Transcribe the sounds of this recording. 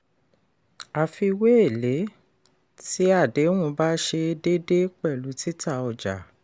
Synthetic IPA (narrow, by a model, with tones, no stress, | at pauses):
a˨fi˧we˦e˦˨le˨˦ | ti˦a˦˨de˨˦w̃ũ˧ba˦ʃe˧de˦de˦k͡pɛ˦˨lu˨˦ti˦ta˦˨ɔ˨d͡ʒa̰˨